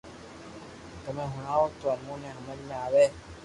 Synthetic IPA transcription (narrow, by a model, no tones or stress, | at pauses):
t̪əmẽːɦʊɳaːoːt̪oːəmõːnẽːɦəməd͡ʒmẽaːʋeː